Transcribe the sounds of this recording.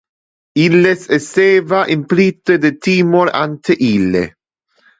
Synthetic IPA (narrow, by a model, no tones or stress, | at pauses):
ilːesesɛːvaʔimpɾit̪ːed̪et̪iːmoɾa̰nt̪eʔilːḛ